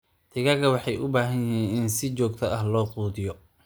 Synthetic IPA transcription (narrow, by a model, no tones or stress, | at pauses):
t̪ʰɪɣɐɣɐwɑħɑjʊbaːɦɐnjɪɦiːnɪnsɪt͡ʃɔːɡt̪ʰɐɐhlɔːquːðɪjɔ